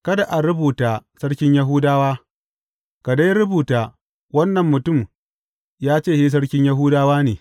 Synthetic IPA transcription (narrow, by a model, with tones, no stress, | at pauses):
kɐ˦da˨ʔa˨ɾʊ˦buː˨taː˨sɐ˦ɽkʲɪ˦ɲjɐ˦ɦʊː˦daː˦waː˦ | ka˨da˦jɾʊ˦buː˨taː˨ | wɐ˦nːɐ˨mːʊ˨tʊ˦˨m | jaː˦t͡ʃeː˦˨hiː˦s̬ɐ˦ɽkʲɪ˦ɲjɐ˦ɦʊ˦daː˦waː˦neː˨